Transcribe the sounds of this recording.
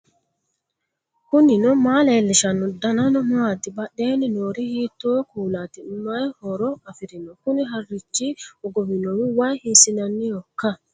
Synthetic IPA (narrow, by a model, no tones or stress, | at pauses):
kʊnɪnɔmaːleːlːɪʃɐnːɔd̪ɐnɐnɔmaːt̪ɪbɐɗːeːnɪnoːɾihiːt̪ːoːkuːlaːt̪ɪnʊmːajhɔɾɔɐfɪɾɪnɔkʊnɪɦɐrːɪt͡ʃːiɔɡɔwɪnɔwiwajhisɪnɐnːɪjɔkːɐ